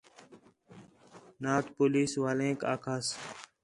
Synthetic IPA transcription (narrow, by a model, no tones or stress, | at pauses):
naːt̪poːliːsʋaːlẽːka̰ːkʰaːs